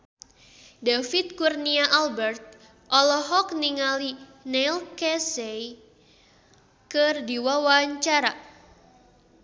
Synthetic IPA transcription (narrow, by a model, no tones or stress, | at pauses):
dafit̪̚kurniaʔalbɛrt̪̚ | ʔɔlɔɦɔk̚niŋalinɛlkɛsɛj | kərdiwawaɲt͡ʃaɾa